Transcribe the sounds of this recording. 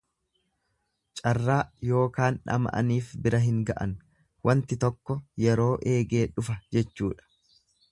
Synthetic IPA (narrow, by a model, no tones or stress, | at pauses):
t͡ʃʼɐrːaːjo̞ːkaːnᶑɐ̰mɐ̰ʔɐ̰niːfbɪɾɐɦɪŋɡɐʔɐ̰n | wɐnt̪ɪt̪ɔkːɔjɛɾo̞ːʔe̞ːɡe̞ːᶑʊfɐd͡ʒɛt͡ʃːuːᶑɐ̥